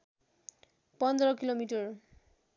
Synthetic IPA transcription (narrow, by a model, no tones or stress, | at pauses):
pɔnd̪ɾɔkilomiʈʌɹ